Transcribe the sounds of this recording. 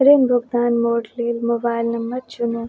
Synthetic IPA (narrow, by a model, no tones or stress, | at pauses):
ɾeːmbʱʊɡ̚d̪aːnmoːʈliːlmobaːjlnɐmːɐt̪̚t͡ʃuno